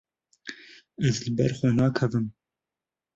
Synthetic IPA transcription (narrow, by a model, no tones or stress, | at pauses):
ɛzlɨbɛ̰ɾxʷɛnɑːkʰɛvɨm